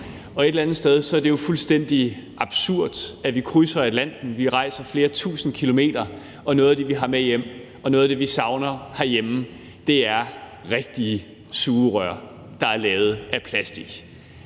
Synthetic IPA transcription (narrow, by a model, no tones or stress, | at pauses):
ɒ̽e̝d̥lænð̩ˠsd̥eð̞ˠsɒ̽æɐd̥e̝jo̝fulsd̥en̰d̥i | ʔɑ̈b̥suɐ̰d̥æʋikʰʁysɐæ̥læn̰d̥n̩ʋiʁɑ̈ɪsɐfle̝ːɐt͡sʰṵːsn̩kʰilo̝me̝̰ːd̥ɐ | ɒ̽noɔːðˠæd̥e̝ʋiɦɑ̈mejem̰ | ɒ̽nɔ̽ːðˠd̥e̝ʋisɑ̈ʊnɐhæɐjem̩ | d̥e̝æɐ | ʁeɡ̥̚d̥iə | suːʁœɐ̰ | d̥ɑ̈æɐlɛːʊð̞̩ˠæpʰlæsd̥iɡ̥